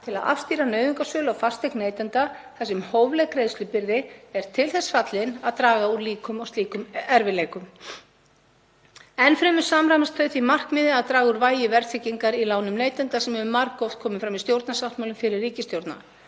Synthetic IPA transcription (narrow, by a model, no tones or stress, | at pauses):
t̪ʰɪla̰ða̰fst̪iːɾanœːɥviŋkasœːlawfḁst̪ehkneːjt̪ɛnt̪aθasɛmhoːwvlɛɣkɾejðst̪ʏpɪɾðɪɛɾ̥t̪ʰɪlθɛsːfat̪lɪnaðt̪ɾaːɣauɾliːkʏmawst̪liːkʏmɛɾvɪleːjkʏm | ɛnfɾɛːmʏ̥saːmɾamast̪θœɥθimar̥kmɪːðɪaðt̪ɾaːɣuɾvaːjɪvɛɾ̥θʰɪcːiŋkaɾilaːwnʏmneːjt̪ɛnt̪asɛmɛvʏmːaɾkːɔft̪̚kʰɔːmʏfɾamist̪jowɾt̪nasawt̪mawlʏmfɪɾɪrːiːcɪst̪jowɾt̪na̰